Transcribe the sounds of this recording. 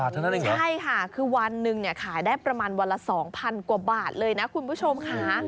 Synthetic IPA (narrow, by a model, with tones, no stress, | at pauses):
a˨˩t̪ʰːa˥˧na˦˥n˨t͡ɕʰa˥˩jkʰa˥˩kʰɯː˧wa˧nːɯ˨˩ŋni˥˩ɐkʰaː˩˦jdaː˥˩jpɾa˧maː˧nwa˧lːa˦˧˥sɔː˩˦ŋpʰa˧nkwaː˨˩baː˨˩t̪̚lɤː˧jna˦˥kʰu˧npʰuː˥˩t͡ɕʰo˧mkʰaː˩˦